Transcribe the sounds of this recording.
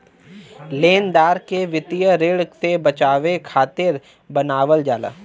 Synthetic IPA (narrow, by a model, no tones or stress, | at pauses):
leːnd̪aːɾkeʋɪt̪ijəɾɪɽsebɐt͡ʃaːʋekʰaːt̪ɪɾ | bɐnaːʋəld͡ʒaːla̰ː